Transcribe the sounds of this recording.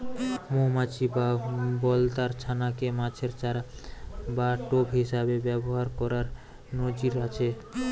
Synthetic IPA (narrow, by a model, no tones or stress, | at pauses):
momat͡ɕibabɔlt̪aɾt͡ʃʰanakemãt͡ʃʰeɾt͡ʃaɾabaʈobɦisabebɛboɦaɾkɔɾaɾ | nod͡ʑiɾat͡ɕʰe